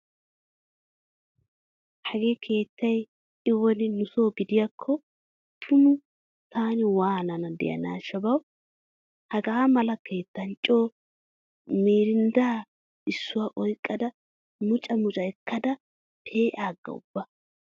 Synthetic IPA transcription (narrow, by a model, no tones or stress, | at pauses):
hɐɡeːkʰe̞ːt̪ːɐj | ɪwɔnɪnʊso̞ːɡɪd̪ɪjakʰːɔ | t̪ʰʊmʊ | t̪ʰaːnɪwaːnɐnɐd̪ɛ̰jɐ̰na̰ːʃːɐbɐw | hɐɡɐːmɐlɐkʰe̞ːt̪ːɐnt͡ʃʼo̞ː | mieːɾɪnd̪aː | ʔɪsːʊwaːʔɔjkʼːɐd̪ɐ | mʊt͡ʃʼɐmʊt͡ʃʼɐɛkʰːɐd̪ɐ | pʰeːʔaːɡːɐ̰ʊ̰b̥ːɐ